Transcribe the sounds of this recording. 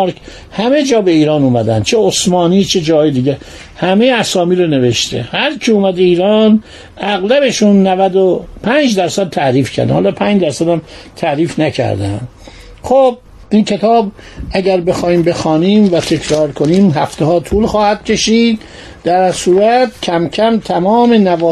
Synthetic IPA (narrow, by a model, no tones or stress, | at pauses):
ɾkʰ | hæmed͡ʒɒːbe̞iːɾɒːnuːmæd̪æ̰n̥t͡ʃʰeosmɒːniːt͡ʃʰed͡ʒɒːjed̪iːɟe | hæmejeæsɒːmiːɾone̞ve̞ʃt̪ʰḛhæɾcʰiuːmæd̪eiːɾɒːn | æɣlæbe̞ʃunːævæd̪opʰænd͡ʒd̪æɾsæd̪̚t̪ʰæɾiːfcʰæ̰ɾd̪æ̰nhːlɒːpʰænd͡ʒd̪æɾsæd̪æmt̪ʰæɾiːfnæcʰæ̰ɾd̪æ̰n | xob̚ | ʔinkʰe̞t̪ʰɒːb | ʔæɟæɾbe̞xɒːhiːmbe̞xɒːniːmvæt̪ʰe̞kʰɾɒːɾkʰo̞niːmɦæft̪ehɒːt̪ʰuːlxɒːhæd̪̥cʲʰe̞ʃiːd̪ | d̪̥æɾsuːɾæt̪cʰæmcʰæmt̪ʰæmɒːmenævɒː